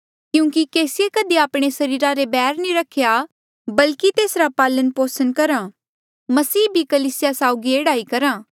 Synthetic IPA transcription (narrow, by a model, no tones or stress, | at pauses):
kjũːkikeːsɪjekəd̪iaːpɽ̃esɐɾiːɾaɾebɛːɾnĩɾɐkʰja | bɐlkit̪eːsɾapaːlənpoːsənkɐɾãː | mɐsiːbʱikɐliːsɪjasaːʊɡieːɽaːikɐɾãː